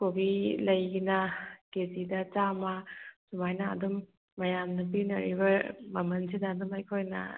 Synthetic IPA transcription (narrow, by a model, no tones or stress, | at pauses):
kobilɐjɡinɐkezidɐt͡ʃamɐsumajnɐ̰ːdumː | ɐjamnɐp̬inɐɾḭbɐmɐmɐnsidɐːdumɐjkʰojnɐ̰